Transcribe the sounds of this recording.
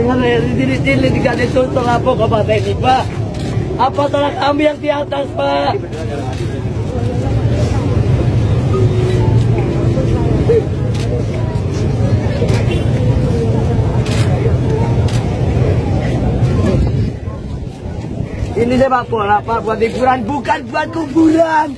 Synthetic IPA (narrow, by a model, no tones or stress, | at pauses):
ŋaneɾid̪init͡ʃilit̪ikanet͡ʃosɔŋapɔkɔbat̪ainipa | apat̪ɔɾakambijaŋt̪iat̪aspa | inilepaʔpɔlapabuat̪ipuɾanbukanbuat̪̚kubulan